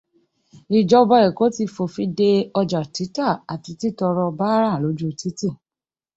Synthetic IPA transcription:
i˧d͡ʒɔ˧˦bɔ˧ɛ˨ko˨˦ti˧fo˨fi˧˦de˧ɔ˧d͡ʒa˨ti˨˦ta˦˨a˨ti˨˧ti˦˨tɔ˧ɾɔ˧ba˦ɾã˦˨lo˨˦d͡ʒu˦˧ti˦ti˦˨

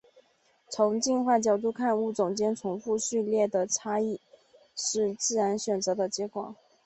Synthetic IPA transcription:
t͡sʰʊ˧˥ŋt͡ɕi˥˧nxwa˥˩t͡ɕjɑ˨˩ʊt̪̬u˥˧kʰa˥˧nu˥˩t͡sʊ˨˩ŋt͡ɕjɛ˥nʈ͡ʂʰʊ˧˥ŋfu˥˧ɕy˥˧ljɛ˥˩d̪ə˩ʈ͡ʂʰa˥i˥˩ | ʂɻ̩˥˧t͡sɹ̩˥˩ɻa˧˥nɕɥɛ˨˩nt͡sɤ˧˥d̪ə˧t͡ɕjɛ˥kwɑ̰˨˩˦ŋ

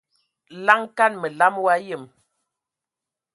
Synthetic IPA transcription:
la˦ŋka˦nmə˨la˦mwa˦jə˦˨m

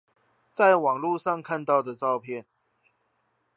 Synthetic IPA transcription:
t͡sa˥˩ɪwɑ˨˩ŋlu˥˨ʂɑ˥˨ŋkʰa˥˧nt̪ɑ˥˩ʊd̪ə˩ʈ͡ʂɑ˥˧ʊpʰjɛ˥˨n

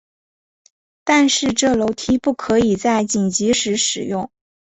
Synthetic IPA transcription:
t̪a˥˧nʂɻ̩˥˧ʈ͡ʂɤ˥˩lo˧˥ʊt̪ʰi˥pu˥˩kʰɤ˧˥i˨˩t͡sa˥˩ɪt͡ɕi˨˩nt͡ɕi˧˥ʂɻ̩˧˥ʂɻ̩˨˩jʊ˥˩˧ŋ

